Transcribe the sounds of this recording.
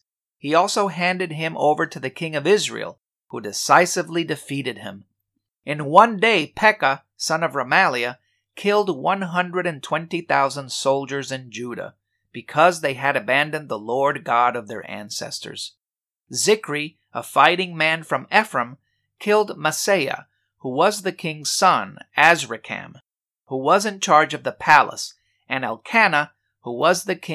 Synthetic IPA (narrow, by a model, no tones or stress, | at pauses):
hiɔlˠsoʊɦæ̃ndɨd̚ɪ̃mʔo̰ʊvə˞ɾɨðɨkʰɪ̃ŋʌvɪzɹḭl̩ˠ | hudɨsaɪsɨvlidɨfiɾɨd̚ɪ̃m | ɨ̃nwʌ̃ndeɪpʰɛkə | sʌ̃nʌvɹəmælˠiɨ | kʰɪlˠd̚wʌ̃nɦʌ̃ndɹɨɾɨ̃ntʰw̥ɛ̃ntiθaʊzə̃nd̥soʊlˠd͡ʒə˞zɨ̃nd͡ʒʉɾə̰ | b̥ɨkʰʌzðeɪɨɾɨbæ̃ndɨ̃nðəlɔɹd̚ɡɑɾʌvðə̰˞ʔæ̰̃nsɛ̰stə̰˞z̥ | zɪkɹi | əfaɪɾɪ̃ŋmæ̃nfɹʌ̃mɛfɹə̃m | kʰɪlˠd̚məseɪɨ̰ | huwʌzðɨkʰɪ̃ŋz̥sʌ̃næzɹɨkʰɨ̰̃m | huwʌzɨ̃nt͡ʃʰɑɹd͡ʒʌvðəpʰælˠə̰s | ɨ̃næ̰lˠkʰænə | huwʌzðɨkʰɪ̃